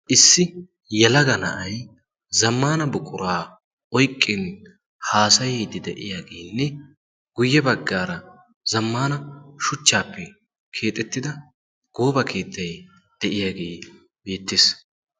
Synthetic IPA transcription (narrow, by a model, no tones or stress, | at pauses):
ʔɪsːɪ | jɛlɐɡɐnɐ̰ʔɐj | zɐmːaːnɐbʊkʼʊɾaː | ʔɔjkʼːɪn | haːsɐjɛːd̪ɪd̪ɛʔɪ̰jaːɡeːnːɛ | ɡ̥ʊjːɛbɐɡːaːɾɐ | zɐmːaːnɐʃʊt͡ʃːaːpːɛ | kʰe̞ːt̪ʼːɛt̪ːɪd̪ɐ | ɡ̥oːbɐkʰe̞ːt̪ːɐj | d̪̥ɛʔɪjaːɡeː | be̞ːt̪ːes